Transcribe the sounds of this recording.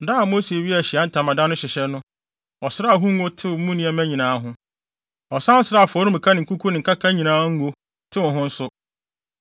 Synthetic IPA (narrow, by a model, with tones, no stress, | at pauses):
da˦a˨mo˦se˨ɥi˦æ˨ɕɪ˨a˨˦n̩˦tʰã˨mã˨dã˦nʊ̃˦ɕɪ˨ɕɛ˦nʊ̃˦ | ɔ˨sɪ˦ɾa˦˨ɦũ˦ŋ̩˦o˦tʰɪ˦ʊ˨m̩˦mũ˦nĩ˦ɛ˦mæ̃˦ɲĩ˨nãː˨˦ɦʊ̃˦ | ɔ˨sã˦n̩˦sɪ˦ɾa˦˨fɔ˨˦ɾʊ̃˦m̩˨kʰa˦nɪ̃˨ŋ̩˨ku˦kʰu˦nɪ̃˨ŋ̩˨kʰa˦kʰa˦ɲĩ˨nãː˦ŋ̩˦ɡo˦ | tʰɪ˦wʊ̃˨ɦʊ̃˦n̩˦sʊ˦